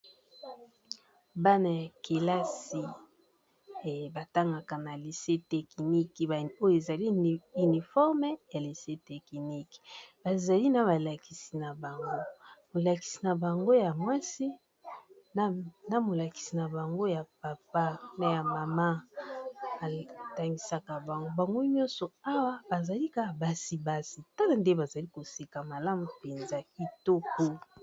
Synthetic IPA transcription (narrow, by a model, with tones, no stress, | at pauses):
ba˦na˨ja˨ke˨la˦si˨ | ba˨ta˦ŋɡa˨ka˨na˨li˨se˦tɛ˨ki˨ni˦ko˦jo˦˨e˨za˨li˦y˨ni˨fɔ˦ʁm˦ja˨li˨se˦tɛ˨ki˨ni˦kb̥a˨za˨li˦na˨ba˨la˨ki̥˨si˨na˨ba˨ŋɡo˦mo˨la˨ki̥˨si˨na˨ba˨ŋɡo˦ja˨mwa˦si˦ | n˦na˨mo˨la˨ki̥˨si˨na˨ba˨ŋɡo˦ja˨pa˨pa˦na˨ja˨ma˨ma˦ | a˨ta˨ŋɡi˨sa˨ka˨ba˨ŋɡo˦ba˨ŋɡo˦ɲɔ̃˦nsɔ˨a˦wa˦ba˨za˨li˦ka˦˨ba˨si˨ba˦si˨ta˦na˨nde˦ba˨za˨li˦ko˨si˨ka˨ma˨la˦mu˨pe˨nza˦ki˦to˦kɔ˦